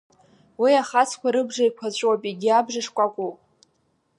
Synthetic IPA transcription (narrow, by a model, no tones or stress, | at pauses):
wiaχat͡sʰkʷaɾɨbʐajkʷʰat͡ɕʷʼwapʼiɡʲiabʐaʂkʷʼakʷʼu